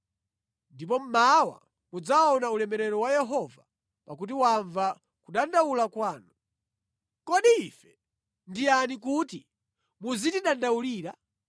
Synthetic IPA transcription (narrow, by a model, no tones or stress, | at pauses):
ndipɔm̩mawa̰ | mud͡zaɔnaulɛmɛɾɛɾɔwajɛɦɔva | pak̬ut̬iwaɱva | kuɗandawulakwaːnu | kɔɗiifɛ | ndianik̬uti | muzitiɗandawuliːɾa